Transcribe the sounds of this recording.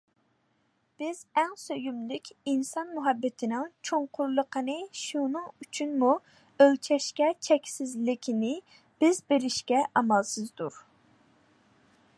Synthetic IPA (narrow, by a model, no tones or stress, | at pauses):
b̥ɪzæŋsøjymlɪkʲinsɑnmuɦɑbːɪt̪ʰɪnɪŋt͡ʃʰoŋqʰʊɾlˠəqʰənɨʃunɨŋyt͡ʃʰynmu | ølt͡ʃʰɛʃkʲɛt͡ʃʰɛkʲsɪzlɪkʲʰɪnɪ | b̥ɪzbeɾɪʃkʲɛʔɑmɑlˠsɨzd̪uɾ